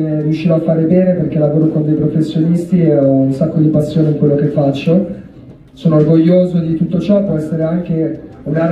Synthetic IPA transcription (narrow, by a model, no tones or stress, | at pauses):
eriuʃːiːɾoafːaːɾebɛːneperkelavoːɾokond̪ɛjpɾofesːjonist̪ieɔunsakːod̪ipasːjoːneiŋkwelːokefːat͡ʃːo | soːnoːrɡoʎːoːzod̪it̪ut̪ːot͡ʃɔpːwɔɛsːeɾeaŋk̟e | uɡa